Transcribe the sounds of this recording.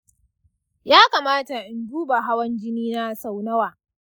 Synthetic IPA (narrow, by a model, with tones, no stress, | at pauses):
jaː˦kaː˨maː˦ta˨ʔɪ˨nduː˦ba˨ɦa˦wɐ˦nd͡ʒɪ˦niː˦na˦sa˨wnɐ˦waː˨